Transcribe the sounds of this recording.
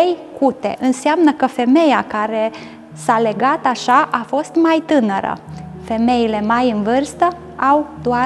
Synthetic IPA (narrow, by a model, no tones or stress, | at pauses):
ejkut̪e̞̰ʔɨnseamnəkəfe̞me̞jakaɾe̞ | sale̞ɡat̪aʃaʔafo̞st̪majt̪ɨnəɾə̰fe̞me̞ile̞majɨnvɨrst̪ə | awd̪oa